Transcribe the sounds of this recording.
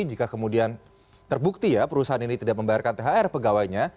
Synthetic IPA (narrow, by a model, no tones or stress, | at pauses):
d͡ʒikakəmudian | t̪ərbuk̚t̪ijapəɾusaɦaninit̪idaʔ̚məmbajarkant̪eɦaɛrpəɡawajɲa